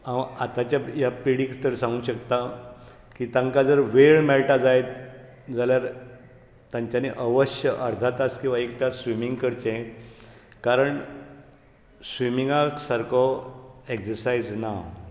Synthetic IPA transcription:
aat̪at͡ɕjajapiɽikst̪əɾsãŋɡuːɕəkt̪a | kiːt̪ãŋkad͡zəɾʋeɭmɛɭʈad͡zajt̪ | d͡zaljaɾ | t̪jaɲt͡ɕaneʔəʋəɕjəʔəɾt̪ʰat̪askĩw̃ʋaek̚t̪jasʋimiŋɡkəɾt͡ɕẽ | kaɾəɳ | sʋimiŋɡaksaɾkʰɔeksəɾsajd͡zna

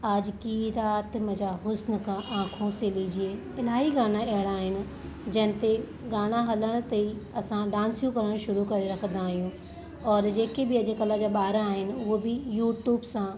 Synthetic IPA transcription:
ad͡ʑkiɾaːt̪mẽd͡ʑaɦʊsnə̆kʰãʔãːkʰõselid͡ʑie | ɪlaːɦiɡaːɽ̃aɐɦɪɽ̃aːɦɪnɪ̆ | d͡ʑɐ̃ɦɪ̃nt̪e | ɡaːɽ̃aɦɐləɽ̃t̪ɐiɐsãɖãːnsijũkɐɾəɽ̃ʃʊɾukɐɾeɾɐkʰə̃n̆d̪aːɦijũ | ɔːɾd͡ʑeːkebɪɐd͡ʑkɐlad͡ʑaːɓaːɾaaːɦɪnɪ̆ʊɦobɪjuːʈjuːbsã

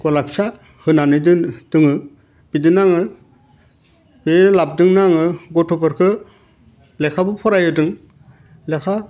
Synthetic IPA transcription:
ɡɔlapsa | hɯnanɯdɯd̥ɯŋɯ | bidɯnaŋɯ | beɾlap̚dɯŋnaŋɯɡɔtʰɔpɯɾkʰɯ | lekʰabɯpʰɔɾajɯdɯŋ | lekʰa

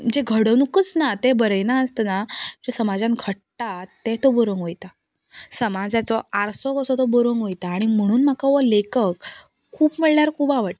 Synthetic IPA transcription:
d͡ʑeɡʱəɽənukət͡snat̪ebəɾəjnaəst̪ənad͡ʑesəmad͡zãnɡʰʱəʈʈat̪ẽt̪ɔboɾoŋɡʋojt̪a | səmad͡zat͡sɔaɾsɔkɔsɔt̪ɔboɾoŋɡʋojt̪aːɽ̃im̤əɽ̃uːnm̤akaʋəlekək | kʰːuːbməɭɳaɾkʰuːbaʋəʈ

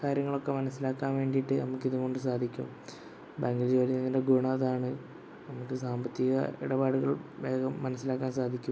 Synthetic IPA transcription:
kaːɾjɐŋːɐɭo̞kːe̞mɐnɐsːilaːkːaːnʋe̞ːɳɖijiʈːɨnɐmukːiðuɣo̞ɳɖɨs̬aːd̪ʱikʲːṵm | baŋɡɐld͡ʑoːlininːinde̞ɡuːɳɐɐðaːɳɨ | nɐmukːɨsaːmbɐt̪ːiɣɐ̰ḭɽɐbaːɽuɣɐɭʋe̞ːɡɐmːɐnɐsːilaːkːaːnsaːd̪ʱikʲːum

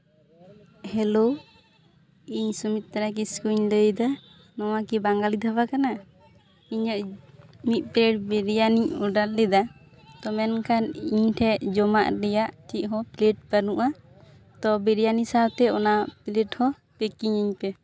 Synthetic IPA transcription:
hɛlo | iɲsumit̪̚t̪aɾak̬iskuɲləjd̪a | nɔwakibaŋɡalid̪ʱabakana | iɲɔʔmit̪̚ˀpleʈ̚bɛɾijaniɲuɖallɛd̪a | t̪ɔmɛnkʰaniɲʈʰɛʔd͡ʒɔmaʔɾɛjaʔtʰiʔ̚ɦɔpleʈ̚pənuʔa | t̪ɔbɛɾijanisabt̪ɛɔnapileʈhɔ | pɛkiɲiɲpɛ

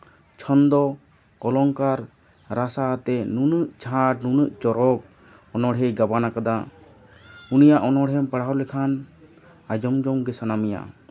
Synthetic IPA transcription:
t͡ʃʰɔnd̪ɔ | ɔlɔŋkaɾ | ɾasat̪ɛnunəʔt͡ʃʰaʈ̚nunəʔt͡ʃɔɾɔk̚ | ɔnɔɽɦɛjɡabanakad̪a | unijaʔɔnɔɽɦɛmpəɽɦawlɛkʰan | ad͡ʒɔmd͡ʒɔŋɡɛsanamija̰

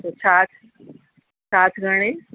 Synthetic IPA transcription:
t̪osaːt̪ʰ | saːt̪ʰɡʱəɽ̃ẽ

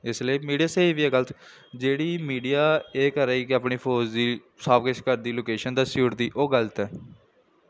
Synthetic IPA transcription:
ɪsləiːmiːɖijaːseːʋiɛːɡəlt̪ | d͡ʒeːɽiːmiːɖijaːeːkəɾɛːkaːpɳiːpʰoːd͡ʒd̪iː | saːpkɪt͡ʃkəɾd̪iːloːkeːʃənd̪aːsuːʈd̪iːʔoːɡəlt̪ɛː

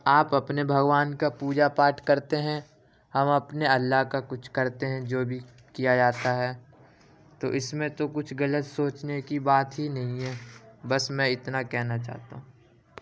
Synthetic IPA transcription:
aːpɐpnebʱɐɡʋaːnkapuːd͡ʒapaːʈkɐɾt̪eɦɛ̃ | hɐmɐpneɐlːaɦkakʊt͡ʃʰkɐɾt̪eɦɛ̃d͡ʒoːbʱi | kijad͡ʒaːt̪aɦɛː | t̪oʔɪsmẽt̪okʊt͡ʃʰɡɐlət̪soːt͡ʃnekibaːt̪ɦinɐɦĩɦɛ̃bɐsmɛ̃ɪt̪nakɛɦnat͡ʃa̰ːɦt̪a̰ɦũː

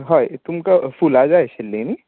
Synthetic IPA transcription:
ɦaːit̪ʊmkafuːlaːd͡ʒaːeʃɪlːeni

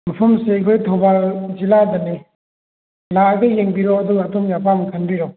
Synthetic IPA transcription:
mɐpʰɐmseɐjkʰojtʰowbalziladɐni | laɡɐjeŋbiɾoɐduɡɐːtomjapʰamkʰɐnbiɾo

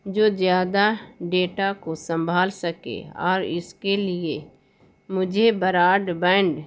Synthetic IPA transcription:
d͡ʒoːzjaːd̪aɖeːʈakosə̃mbʱaːlsəkḛɔ̰ːɾɪ̰skelɪe | mʊd͡ʒʱebəɾaːɖbɛ̃ːɳɖ

